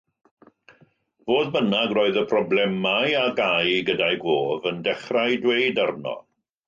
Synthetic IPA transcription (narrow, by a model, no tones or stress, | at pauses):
voːðbənaɡroːɨðəpʰrɔblɛmajaɡajɡədajɡoːvəndɛχrajdwejdarnɔ̰